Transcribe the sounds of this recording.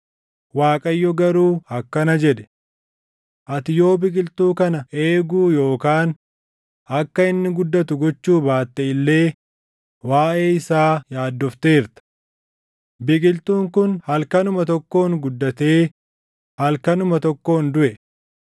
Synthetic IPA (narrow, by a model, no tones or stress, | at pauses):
waːkʼɐjːɔɡɐɾuːɐkːɐnɐd͡ʒɛᶑɛ̥ | ʔɐt̪ɪjo̞ːbɪkʼɪlt̪uːkɐnɐʔeːɡuːjo̞ːkaːn | ʔɐkːɐɪnːɪɡʊd̪ːɐt̪ʊɡɔt͡ʃːuːbaːt̪ːɛɪlːe̞ː | waːʔe̞ːɪsaːjaːd̪ːɔft̪e̞ːɾt̪ɐ̥ | bɪkʼɪlt̪uːŋkʊnhɐlkɐnʊmɐt̪ɔkːo̞ːŋɡʊd̪ːɐt̪e̞ː | hɐlkɐnʊmɐt̪ɔkːo̞ːnd̪ʊʔɛ